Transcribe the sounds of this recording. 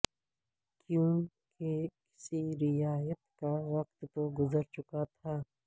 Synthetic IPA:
kjũ | kekɪ̥siɾɪjaːjət̪kawɐqt̪ːoɡʊzəɾt͡ʃʊkat̪ʰaː

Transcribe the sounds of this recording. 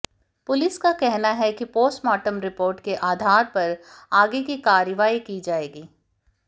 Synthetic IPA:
pʊlɪskakɛɦnaɦɛkipoːsʈmaːʈəmɾɪpoːɾʈkeʔaːd̪ʱaːɾpɐɾaːɡekikaːɾjəʋaːikid͡ʒaːeːɡiː

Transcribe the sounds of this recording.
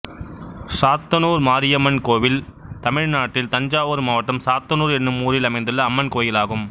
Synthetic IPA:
saːt̪ːɐnuːɾmaːɾɪjɐmɐnkoːʋɪlt̪ɐmɪɻnaːʈːɪlt̪ɐɲd͡ʒaːʋoːɾmaːʋɐʈːɐmsaːt̪ːɐnuːɾɛnːɯmuːrɪlɐmɐɪnd̪ɯlːɐːmːɐnkoːjɪlaːɣɯm

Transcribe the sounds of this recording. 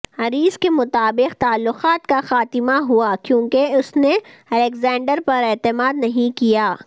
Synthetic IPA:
ɦɐɾiːzkemʊt̪aːbɪqt̪aːlːʊqaːt̪kaxaːt̪ɪmaɦuakjõːkeʊsneɐlekzãːɳɖəɾpɐɾɛːt̪ɪmaːd̪nɐɦĩkijaː

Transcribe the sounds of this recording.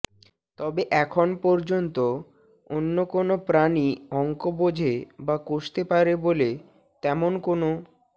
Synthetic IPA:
t̪ɔbeʔɛkʰonpɔɾd͡ʑont̪o | onːokonopɾaniɔŋkobod͡ʑʱebakoʃt̪epaɾebole | t̪ɛmonkono

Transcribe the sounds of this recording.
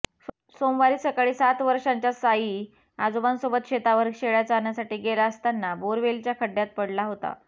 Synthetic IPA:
somʋaɾiːsəkaɭiːsat̪ʋəɾʂaɲt͡ɕjasajiː | ad͡zobansobət̪̚ɕet̪aʋəɾkɕeɭjat͡saːɳjasaʈiːɡelaəst̪anːaboɾʋelt͡ɕjakʰəɖːjat̪̚pəɽlaɦot̪a̰

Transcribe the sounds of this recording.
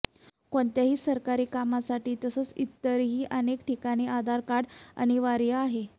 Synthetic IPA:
koɳt̪jaɦiːsəɾkaɾiːkamasaʈiːt̪əsəːt͡sit̪ːəɾɦiːʔənekʈikaɽ̃iːad̪ʱaɾkaɽa̰ɽ̃iʋaɾjəːɦe

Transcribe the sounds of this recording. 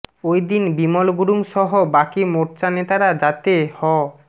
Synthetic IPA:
ojd̪inbimolɡuɾuŋʃɔɦobakimoɾt͡ɕanet̪aɾad͡ʑat̪ehɔ

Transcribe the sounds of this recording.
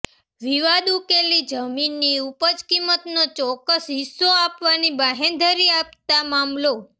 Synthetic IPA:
ʋiʋad̪ukelid͡ʒəminːiupəd͡ʒkimːət̪not͡ʃɔkːəsɦisːoapʋanibaɦend̪ʱəɾiapt̪amamlo

